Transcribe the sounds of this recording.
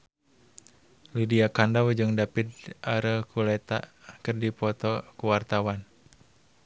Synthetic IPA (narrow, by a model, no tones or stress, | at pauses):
lidiakandawd͡ʒɨŋdapit̪̚ʔaɾəkʰulɛt̪a̰kɨrdipɔt̪ɔkuwart̪awan